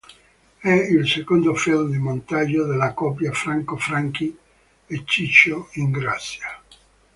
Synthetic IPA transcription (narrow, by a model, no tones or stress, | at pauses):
ɛilsekond̪ofɛlmd̪imont̪aʎːod̪elːakɔpjafɾaŋkofɾaŋki | et͡ʃːit͡ʃːoiŋɡɾasːja